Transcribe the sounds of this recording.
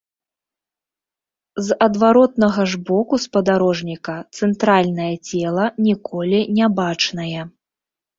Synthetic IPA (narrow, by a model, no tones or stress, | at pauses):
zɐd̪vaɾɔt̪nɐɣɐʐbɔkuspɐd̪aɾɔʐnʲikɐt̪sɛnt̪ɾalʲnɐjɐt͡sʲɛlˠɐnʲikʰɔlʲinʲɛbat͡ʂnɐjɛ